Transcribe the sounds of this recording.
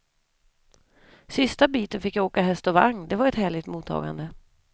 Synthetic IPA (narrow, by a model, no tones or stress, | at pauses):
sɪst̪abiːt̪ənfɪkːjaoːkaɦɛst̪ɔvaŋnd̪ɛvaɾɛt̪hæːɭɪɡt̪muːt̪ʰːɑ̰ːɡa̰nd̪ə